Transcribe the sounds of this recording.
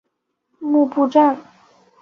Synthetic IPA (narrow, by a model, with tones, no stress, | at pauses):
mu˥˧pu˥˧ʈ͡ʂa˥˩ŋ